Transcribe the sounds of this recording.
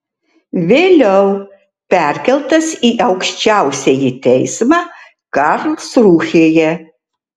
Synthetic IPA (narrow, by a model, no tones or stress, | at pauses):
ʋʲeːlʲɛʊ | pʲæɾʲkʲɛlˠt̪ɐsiːʔɐʊkʃʲt͡ʃʲæˑʊsʲɛjɪt̪ʲɛɪsmɑː | kɐɾlˠsɾuːxʲeːjɛ